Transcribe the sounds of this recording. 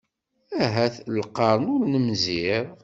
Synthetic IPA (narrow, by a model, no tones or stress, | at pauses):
æɦæθlqːɑɾˤənʊɾnəmziɾˤ